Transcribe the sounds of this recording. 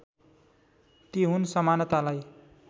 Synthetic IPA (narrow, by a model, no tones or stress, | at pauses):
t̪iɦunsʌmanʌt̪alaj